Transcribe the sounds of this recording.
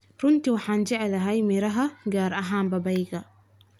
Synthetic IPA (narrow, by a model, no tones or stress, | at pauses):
ɾunt̪iwaħand͡ʒaʕɛlaɦajmiɾaɦaɡaːɾʔaɦaːmbabajɡa